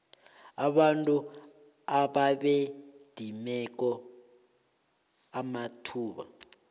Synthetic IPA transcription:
aɓantʼu | aɓaɓed̥ʱimɛk̬ɔ | amatʰuːɓa̰

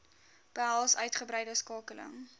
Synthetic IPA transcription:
b̥əɦælˠsœɥtχəbɾɛjdəskɑːkələ̰ŋ

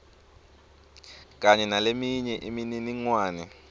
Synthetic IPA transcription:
k̬ʼaɲɛnalemiɲɛʔimininiŋwaːnɛ

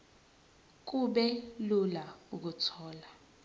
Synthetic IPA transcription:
k̬ʼuɓɛlulauk̬utʰɔːla

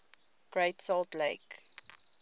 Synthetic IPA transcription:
ɡ̥ɹeɪtsɔltleɪk

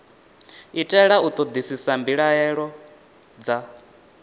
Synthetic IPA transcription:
itʼɛɺaut̪ʼɔd̪isisambiɺaɛɺɔ | d͡za

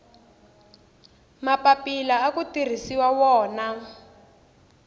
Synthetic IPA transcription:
mapapilaːkutir̤isiwawɔːna

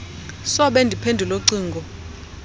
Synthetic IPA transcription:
sɔɓɛndʱipʰendʱuloǀiːŋɡʱɔ

